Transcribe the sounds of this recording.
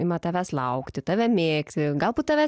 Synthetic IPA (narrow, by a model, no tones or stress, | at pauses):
ɪmɐt̪ɑːʋʲæslˠɐʊkt̪ʲɪt̪ɑːʋʲɛmʲeːkt̪ʲɪɡɐlˠbuːt̪̚t̪ɑʋʲæ